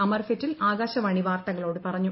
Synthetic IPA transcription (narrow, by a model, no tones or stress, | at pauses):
ɐmɐrfitːilaːɡaːɕɐʋɐɳiʋaːrt̪ɐŋːɐɭo̞ːɽɨpɐrɐɲːu